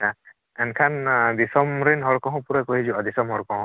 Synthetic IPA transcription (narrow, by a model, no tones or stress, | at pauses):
a | ɛnkʰand̪isɔmɾenɦɔɹkɔɦɔ̃puɾakoɦizuad̪isɔmɦɔɹkɔɦɔ̃